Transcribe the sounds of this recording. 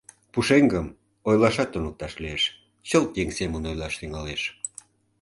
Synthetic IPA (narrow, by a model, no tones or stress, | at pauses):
puʃeŋɡəm | ojlɑʃɑt̪ːunək̚t̪ɑʃlieʃ | t͡ɕəlt̪jeŋsemənojlɑʃt̪yŋɑleʃ